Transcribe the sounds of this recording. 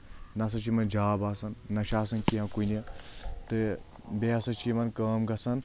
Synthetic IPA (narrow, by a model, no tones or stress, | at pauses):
nɐs̬ɐt͡ʃimɐnd͡ʒaːbaːsɐnːɐʃaːs̬ɐnkiãkunɐt̪ɨ | beasɐt͡ʃʰimɐnkəːmɡɐsɐn